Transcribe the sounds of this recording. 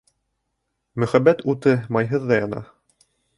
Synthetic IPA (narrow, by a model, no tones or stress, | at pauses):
mɵ̆χæbːæt̪ut̪ɤmɑjɦɤðːɑjɑnɑ̰